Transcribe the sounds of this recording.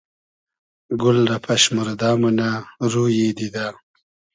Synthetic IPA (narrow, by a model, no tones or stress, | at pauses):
ɡʊlɾapʰaʃmʊɾd̪ɑːmunaɾuːjed̪id̪a